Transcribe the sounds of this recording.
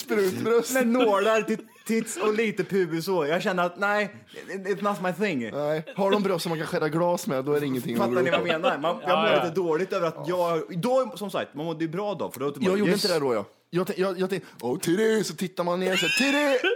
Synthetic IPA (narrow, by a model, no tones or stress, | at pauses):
spɾʉːt̪bɾœsmɛnːoːlaɾt̪ɪ | t̪ʰːɪt̪sɔliːt̪əpʰʉ̟ːɡəsɔjɑɡɕɛnːəɾat̪næɪ | ɪt̪snatsmaɪθɪ̃ŋnɛɪhaɖɔmbɾœst̪ːɔmankʰanɧɛɾːaɡlɑːsmɛd̪ɔæɾɛɪŋːənt̪ʰɪŋfat̪ːanɪvameːnaɾmanjɑːɡmʊɾliːt̪əd̪oːlɪt̪øːvəɾat̪jɑːɡd̪ɔsɔmsa̰kt̪manmɔd̪ːəjʉbɾɑːd̪ɔ̰fœɖɛt̪ːjɑːɡjuːəɪnt̪əd̪ɛɛɖɔjɑ̰ | jɑːt̪ʰɛjɑːjɑːɛ | ɔt̪ʰɪd̪ɛsɔt̪ʰɪt̪ːaɾmanːeːɾɔsɛt̪ʰɪd̪ɛ